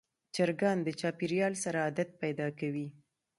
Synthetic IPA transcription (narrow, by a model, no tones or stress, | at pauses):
t͡ʃaɾɡɑnd̪ət͡ʃɑpiɾjɑlsaɾaːd̪at̪̚pajd̪ɑkawi